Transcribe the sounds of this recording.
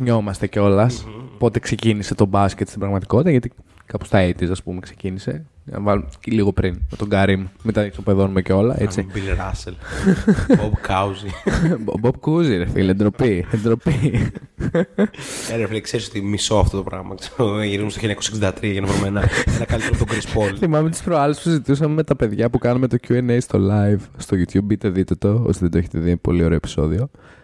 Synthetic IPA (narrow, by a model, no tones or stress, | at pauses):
ɲo̞mɐst̪e̞ceo̞lɐspo̞t̪e̞kse̞cinise̞t̪o̞bɐscet̪st̪ibɾɐɣmɐt̪i̥ko̞t̪it̪ɐʝɐt̪i | kɐpost̪ɐet̪isɐspumekse̞cinise̞ɐ̰ɐvɐlumliɣo̞pɾinmet̪o̞ɡɐɾimmet̪ɐsopeðo̞numeceo̞lɐʔet͡sibilɾɐsel | bobkɐzibob̚kuziɾefḭliend̪ɾo̞piend̪ɾo̞pi | eneɾflkseɾisot̪imiso̞ɐft̪ot̪opɾɐ̰ɣmɐ̰kse̥ʝiɾizumstoiɲɐkoseksind̪ɐt̪ɾiɐʝɐnɐvoɾumenɐenɐkɐlit̪eɾumt̪oɡɾispolθimɐmet̪i̥spɾoɐlespusizit̪usɐmemet̪ɐpe̞ðʝɐpukɐnume̞t̪o̞cuenejst̪o̞lɐivst̪oʝut̪çubːit̪eðit̪ot̪o̞o̰siðed̪oeçet̪eðipo̞̰lio̞ɾe̞oepi̥so̞̰ðio̞